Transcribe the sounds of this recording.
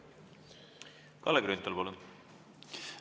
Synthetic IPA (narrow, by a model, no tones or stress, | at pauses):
kɑlːeɡɾynt̪ːɑlpolu